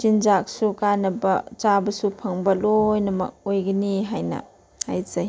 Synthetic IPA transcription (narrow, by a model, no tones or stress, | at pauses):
t͡ʃind͡ʒak̚sukanɐbɐt͡ʃabɐsupʰɐŋbɐlojnɐmɐ̰k̚ojɡɐniɦajnɐ̰ | hajzɐj